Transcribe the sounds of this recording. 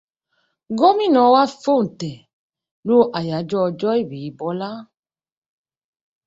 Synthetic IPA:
ɡɔ˦mĩ˦˨nɔ̃˨˦wa˦fo˦˨n̩˨tɛ˨ | lo˦ʔa˨ja˨˦d͡ʒɔ˦ɔ˧d͡ʒɔ˦e˦˨bi˨i˨bɔ˨˦la˦

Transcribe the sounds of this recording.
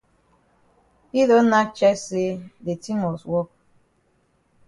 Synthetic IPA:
i˦lo˨˦na˦t͡ʃɛ˦se˦de˨ti˦mɔ˨swɔ˦k̚

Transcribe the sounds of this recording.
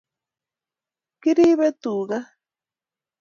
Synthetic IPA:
kɪ˦ɾi˦βe˦t̪u˨ɢa˦

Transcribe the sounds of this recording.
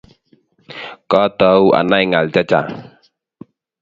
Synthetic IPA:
kɔ˦t̪ɔua̰˨naiŋa˨ld͡ʒa˦t͡ʃa̰˨

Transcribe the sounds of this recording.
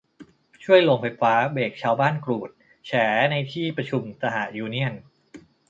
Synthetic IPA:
t͡ɕʰu˥˩əjlo˧ŋfʰa˧jfaː˦˥beː˨˩k̚t͡ɕʰaː˧wbaː˥˩nkɾuː˨˩t̪̚ | t͡ɕʰɛː˩˦na˧jt̪ʰiː˥˩pɾa˧t͡ɕʰu˧msa˧ɦa˨˩juː˧ni˥˩ən

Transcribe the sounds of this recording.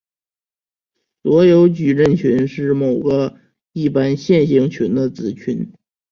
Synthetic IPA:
swɔ˧˥jo˧˥ʊt͡ɕy˨˩ɻə˥˩nt͡ɕʰy˧˥nʂɻ̩˥˩mo˨˩ʊɡə˦ | i˥˩pa˥nɕjɛ˥˩nɕi˧˥ŋt͡ɕʰy˧˥nd̪ə˧t͡sɹ̩˧˥t͡ɕʰy˧˥n

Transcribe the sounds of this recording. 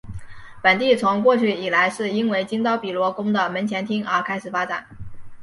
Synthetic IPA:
pə˨˩nt̪i˥˩t͡sʰʊ˧˥ŋkwɔ˥˧t͡ɕʰy˥˩i˨˩la˧˥ɪʂɻ̩˥˩i˥nwe˥˩ɪt͡ɕi˥ŋt̪ɑ˥ʊpi˨˩lwɔ˧˥kʊ˥ŋd̪ə˨mə˧˥nt͡ɕʰjɛ˧˥nt̪ʰi˥ŋə˞˥kʰa˥ɪʂɻ̩˨˩fa˥ʈ͡ʂa̰˨˩˦n

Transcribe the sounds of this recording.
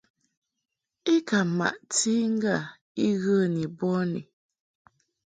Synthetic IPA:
i˦ka˨ma̰˨ʔti˦ŋ̩˦ɡa˦˨ | i˦ɣə˦˨ni˨bɔ˦nḭ˨

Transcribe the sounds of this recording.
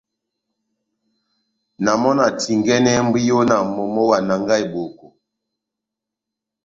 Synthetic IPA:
na˨mɔ˦na˨ti˨ŋɡɛ˦nɛ˦m̩˦bi˦jo˦na˨mo˨mɔ˦wa˨na˨ŋɡa˦jbo˨ko˨

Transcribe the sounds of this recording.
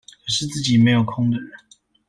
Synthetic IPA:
kʰə˨˩ʂɻ̩˥˧t͡sɹ̩˥˩t͡ɕi˨˩me˧˥ɪjo˨˩ʊkʰʊ˥ŋd̪ə˨ɻə˨˦n

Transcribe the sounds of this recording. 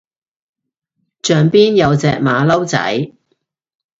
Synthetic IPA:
t͡ʃœː˨ŋpiː˥njɐ˨˧wt͡sɛː˨k̚maː˨˧lɐ˥wt͡sɐ̰˨˥j

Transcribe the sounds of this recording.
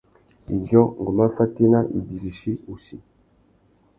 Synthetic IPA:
i˨zɔ˦ŋ˨ɡu˨ma˦fa˦ti˦na˦i˨bi˨ɾi˨ʃi˦u˨si˨

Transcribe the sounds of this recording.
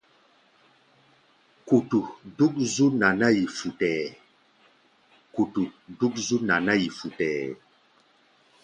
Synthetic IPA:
ku˨tu˨du˦k̚zu˦na˨na˦ji˨fu˨tɛ˨ | ku˨tu˨du˦k̬̚zu˦na˨na˦ji˨fu˨tɛː˨

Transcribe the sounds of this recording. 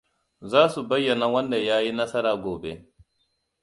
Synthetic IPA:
zaː˦su˨ba˦jːa˨na˦wa˦nda˨jaː˦ji˦na˦sa˦ɾa˨ɡoː˨be˦

